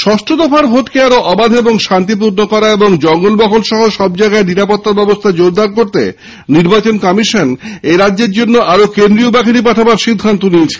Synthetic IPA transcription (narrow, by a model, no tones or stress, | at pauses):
ʃɔʃʈɾod̪ɔfaɾbʱoʈkeaɾoʔɔbad̪ʱeboŋʃant̪̬ip̬uɾnokɔɾaeboŋd͡ʑɔŋɡolbɔkʰolʃɔɦoʃɔb̚d͡ʑajɡaeniɾapot̪ːabɛbost̪ʰad͡ʑod̪ʱaɾkoɾt̪ḛ | niɾbat͡ɕonkɔmiʃoneɾadːeɾd͡ʑonːoʔaɾokend̪ɾiobakʰiɾip̬aʈʰabaɾʃid̪ʱːant̪oniet͡ɕʰe̥